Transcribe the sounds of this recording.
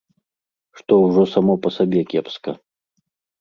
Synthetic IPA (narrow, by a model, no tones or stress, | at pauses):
ʂt̪ɔwʐɔsamɔpɐsabʲɛkʲɛpskɐ